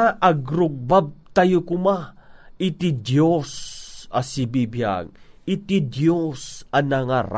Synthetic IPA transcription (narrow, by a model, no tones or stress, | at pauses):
aʔɐɡɾʊɡ̚bab̚t̪ajokʊmaʔɪt̪id̪josɐsibibja̰ɡ̚ɪt̪id̪josanaŋaɾ